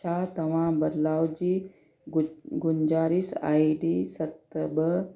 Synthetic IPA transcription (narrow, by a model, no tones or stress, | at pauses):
at̪ɐʋãːbɐɾlaːwd͡ʒi | ɡuɲd͡ʒaːɾisa̰ːjɖisɐt̪ːəbə